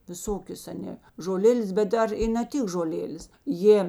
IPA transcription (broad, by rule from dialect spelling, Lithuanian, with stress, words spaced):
ʋʲɪˈsoːkʲoːs ɐˈnʲeː ʒoːˈlʲeːlʲeːs bʲɛt ˈdɐr ɪ nɐ ˈtʲɪk ʒoːˈlʲeːlʲeːs ˈjeː